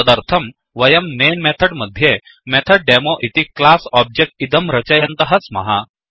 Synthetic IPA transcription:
əd̪əɾt̪ʰəm | ʋɐjəmnenmet̪ʰəɽməd̪ʱje | met̪ʰəɽ̚ɖemoʔit̪iklasɔb̚d͡ʑek̚ʈid̪əmɾɐt͡ɕəjɐnt̪əɦəsmɐ̰ɦa

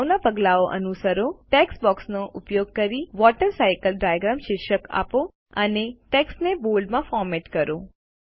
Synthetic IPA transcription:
ʋnapəɡlaoʔə̰nusəɾoʈeksbɔksnoʔʊpjoɡ̚kəɾiʋɔʈəɾsajkəlɖajaɡɾamʃɪɾʃəka̰po | ə̰neʈeksnebolɖmãfɔɾmeʈkəɾo

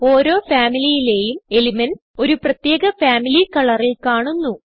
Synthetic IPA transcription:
o̞ːɾo̞ːfaːmilijile̞ːjume̞limɐn | o̞ɾuprɐt̪je̞ːɡɐfaːmilikɐɭɐrilkaːɳunːu

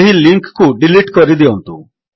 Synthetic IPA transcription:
ɦiliŋkkuɖiliʈkɔɾid̪iont̪ṵ

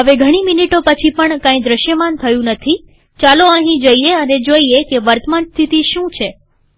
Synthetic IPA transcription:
ɦəʋeɡʱəɽ̃iminiʈopət͡ʃʰipəɳkãĩd̪ɾəʃjəmant̪ʰəjũnət̪ʰi | t͡ʃaloəɦĩd͡ʒoieəned͡ʒoiekeʋəɾt̪əmanst̪ʰit̪iʃũt͡ʃʰe

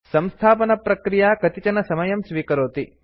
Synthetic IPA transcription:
sɐmst̪ʰaːpɐnɐpɾɐkɾijaːkɐt̪it͡ʃɐnɐsɐmɐjɐmsʋiːkɐɾoːt̪i

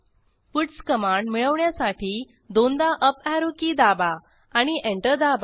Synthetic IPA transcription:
puʈskəmaɳɖmiɭəʋɳjasaʈʰiː | d̪ond̪aʔəpæɾokid̪aba | aɽ̃iʔẽɳʈəɾd̪aba

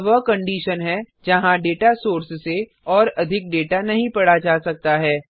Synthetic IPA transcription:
ʋəkɐ̃ɳɖiːʃənɦɛ | d͡ʒɐɦãɖeːʈasoːɾsse | ɔːɾɐd̪ʱɪk̚ɖeːʈanɐɦĩpɐɽad͡ʒaːsɐk̚t̪aɦɛː

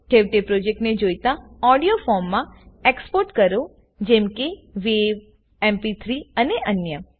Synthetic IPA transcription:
ʈʰeʋʈepɾod͡ʒek̚ʈned͡ʒojt̪ãɔɽijofɔɾmːãekspoɾʈkəɾo | d͡ʒɛ̃mkeʋeʋ | empit̪ʰɾiəneʔənjə

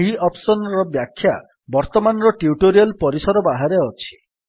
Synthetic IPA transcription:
ɦiɔpsɔnɔɾɔbjakʰːja | bɔɾt̪ɔmanɔɾɔʈiuʈoɾialpɔɾisɔɾɔbaɦaɾeɔt͡ʃʰi̥

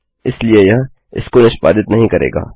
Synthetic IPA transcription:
ɪsliejɐɦ | ɪ̰skonɪʃpa̰ːd̪ɪt̪nɐɦĩkɐɾḛːɡa̰ː

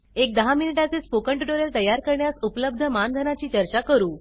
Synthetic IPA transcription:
ek̚d̪əɦaminiʈat͡sespokəɳʈiʈoɾelt̪əjːaɾkəɾɳjasupləb̚d̪ʱəmand̪ʱənat͡ɕiːt͡ɕəɾt͡ɕakəɾuː

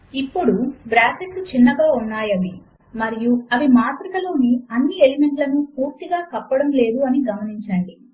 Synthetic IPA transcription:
ipːuɽubɾaːseʈlut͡ʃinːɐɡaːunːaːjɐʋi | mɐɾijuɐʋimaːt̪ɾikɐlo̞ːniɐnːielime̞ɳʈlɐnupuːɾt̪iɡaːkɐpːɐɽɐmle̞ːd̪uɐniɡɐmɐniɲt͡ʃaːɳi

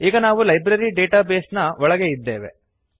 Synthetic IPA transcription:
iːɡɐnaːʋulɐjbɾɐɾiɖeːʈaːbeːsnɐɔɭɐɡe̞id̪ːe̞̰ːʋe̞̰

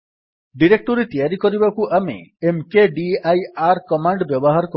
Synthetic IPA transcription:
ɖiɾek̚ʈɔɾet̪ijaɾikɔɾibakuʔamḛemkeɖiajaɾkɔmaɳɖbjɔbɔɦaɾɔkɔ

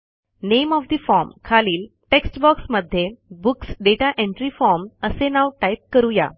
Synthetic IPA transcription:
nemɔfd̪ifɔɾmkʰaliːl | ʈeksʈbɔksməd̪ʱːjebuksɖeʈaʔẽɳʈɾifɔɾməsenawʈajp̚kəɾuja̰

